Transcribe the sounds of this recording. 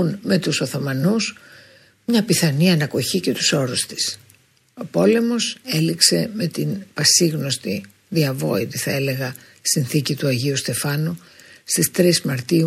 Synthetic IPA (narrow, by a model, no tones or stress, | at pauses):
unme̞t̪uso̞θo̞mɐnus | mɲɐpiθɐniɐnɐko̞çice̞t̪u̥so̞ɾust̪i̥s | o̞po̞le̞mo̞se̞likse̞me̞t̪inpɐsiɣno̞st̪i | ðiɐvo̞̰it̪iθɐe̞le̞ɣɐ | sinθicit̪uɐʝiust̪e̞fɐnu | st̪ist̪ɾizmɐɾt̪iu